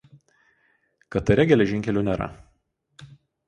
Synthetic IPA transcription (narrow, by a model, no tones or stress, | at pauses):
kɐt̪ɐɾʲɛɡʲɛlʲɛʒʲɪŋʲkʲɛlʲuːnʲɛɾɐ̰